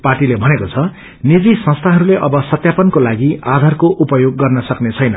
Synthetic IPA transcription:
parʈilebʱʌnekot͡sʰʌ | nid͡zisʌ̃st̪ʰaɦʌɾuleʔʌbʌsʌt̪japʌnkolaɡiad̪ʱarkoʔupʌjoɡːʌrnʌsʌknet͡sʰʌjnʌ

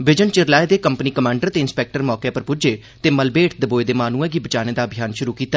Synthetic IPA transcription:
bɪd͡ʒənt͡ʃɪɾlaːed̪eːkəmpəniːkəmãːɳɖəɾt̪eːɪnspɛːk̚ʈəɾmɔːkepəɾpʊd͡ʒeː | t̪eːməlbeːʈʰd̪əboːed̪eːmaːnuːɛ̃ːɡiːbət͡ʃaːñeːd̪aːbʱijaːnʃʊɾuːkiːt̪aː

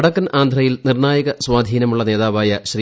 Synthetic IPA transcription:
ɽɐkːɐnaːnd̪ʱrɐjilnirnaːjɐɣɐswaːd̪ʱiːnɐmuɭːɐne̞ːðaːʋaːjɐɕri

